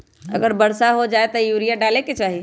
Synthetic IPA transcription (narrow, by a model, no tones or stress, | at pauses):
ɐ̰ɡəɾbəɾsaɦod͡ʒaːet̪ɐjuɾijaɖaːleket͡ʃaːɦi